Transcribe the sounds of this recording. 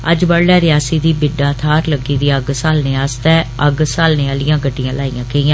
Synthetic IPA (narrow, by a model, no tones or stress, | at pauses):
ə̰d͡ʒbəɽɖaːɾɪjaːsiːd̪iːbɪɖaːt̪ʰaːɾləɡiːd̪iːəɡsaːlneːaːst̪ɛːəɡsaːlneaːlɪjãːɡəɖːijãːlaːḭjãːkeijãː